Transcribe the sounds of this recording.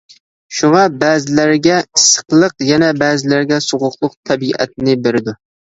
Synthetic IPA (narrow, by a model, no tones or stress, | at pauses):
ʃuŋɑbæːzɪlæɾɡʲɛisːə̥qlˠəqjɛnɛbæːzɪlæɾɡʲɛsoʁʊqlˠʊq̚t̪ʰɛbiʔɛ̰t̪̚nɪbeɾɪd̪u